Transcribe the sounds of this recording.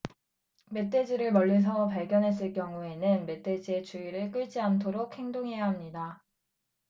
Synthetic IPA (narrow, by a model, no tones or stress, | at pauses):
me̞t͈ʰe̞d͡ʑiɾɯɭmʌɭːes̬ʰʌpaɭɡjʌnɦe̞s̬͈ɯɭk͈jʌŋue̞nɯnme̞t͈e̞d͡ʑie̞t͡ɕuiɾɯɭk͈ɯɭd͡ʑiantʰoɾok̚he̞ŋdoŋɦe̞jaɦamɲida